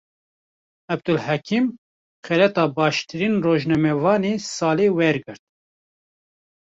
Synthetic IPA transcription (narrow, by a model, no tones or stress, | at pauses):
ɛb̚d̪ʊlhækʰim | xɛlɛt̪ɑːbɑːʃt̪ɨɾiːnroːʒnɛmɛvɑːneːsɑːleːwɛɾɡɨɾt̪̚